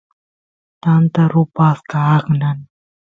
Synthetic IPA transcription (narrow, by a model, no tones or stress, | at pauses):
t̪ant̪əɾupaskaːknan